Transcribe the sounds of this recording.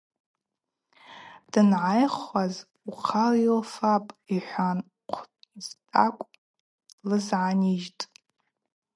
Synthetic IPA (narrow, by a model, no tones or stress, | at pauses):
d̥ɨnʕajχaz | uqʰarjolfapʼiħʷan | qʷʰʼiztʼa̰kʷʼ | lɨzʕaniʒtʼ